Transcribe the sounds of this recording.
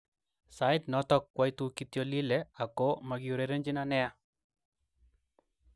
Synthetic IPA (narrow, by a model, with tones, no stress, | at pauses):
sa˨ɪtnɔ˦tɔ˦kːwa˦jtukitjɔli˦lɛa˨ko˦ma˨ɡiu˨ɾeɾe˦nd͡ʒɪ˦nanɛ˦a˦